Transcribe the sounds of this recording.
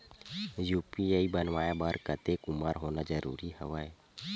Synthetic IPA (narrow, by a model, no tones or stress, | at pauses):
juːpiaːibənʋaːjabaːɾkət̪ekʊmaːɾɦoːnad͡ʒəɾṵːɾihəʋaːe